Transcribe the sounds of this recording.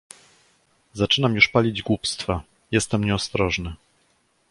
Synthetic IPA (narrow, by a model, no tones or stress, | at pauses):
zat͡ʂɘnamjuʂpalʲid͡ʑɡwupst̪fa | jɛst̪ɛmɲɛɔst̪ɾɔʐnɘ